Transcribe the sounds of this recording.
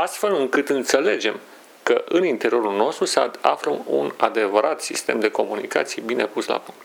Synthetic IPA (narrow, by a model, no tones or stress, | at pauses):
ast̪fe̞lɨŋkɨt̪ɨnt̪se̞le̞d͡ʒe̞m | kəʔɨnint̪e̞ɾio̞ɾulno̞st̪ɾusəa̰fɾəmṵnad̪e̞vəɾʔat̪sist̪e̞md̪e̞ko̞munika̰t̪sijebine̞pusla̰puŋkt̪